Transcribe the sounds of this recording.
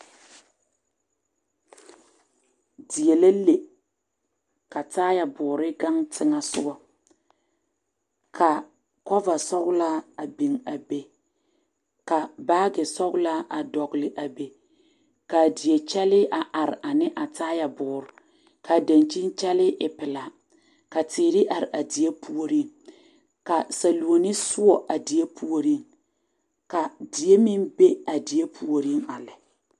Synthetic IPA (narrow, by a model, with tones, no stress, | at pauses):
di˨je˨la˦le˨ | ka˨taː˦ja˨bʊː˨ɾɪ˦ɡa˦ŋtʰɪ˦ŋa˦sʊ̰˦ɡɔ˦ | kʰa˨ | kɔ˦va˨sɔ˦ɡla˦a˨bi˨ŋa˨be˨ | ka˨baː˦ɡɛ˨sɔ˦ɡla˦ʔa˨dɔ˨ɡlɪ˨ʔa˨be˨ | ka˨di˨je˨t͡ʃɛ˦lɪ˦ʔa˨ʔa˨ɾɪ˨ʔa˨nɪ˦ʔa˨taː˦ja˨bʊː˨ɾʊ˨ | ka˨da˨nt͡ʃi˦n˦t͡ʃɛ˦lɪ˦ʔɪ˨pɪ˨la˨ | ka˨tɪː˨ɾɪ˦ʔa˨ɾɪ˨ʔa˨di˨e˦pʰu˦o˦ɾi˦˨ŋ | ka˨sa˨lu˨o˨nɪ˦sʊ˦ɔ˨ʔa˨di˨je˦pu˦o˦ɾi˦˨ŋ | ka˨dɪ˨je˦mi˦nbe˦a˨di˨je˦pʰu˦o˨ɾi˦ŋa˨lɪ˨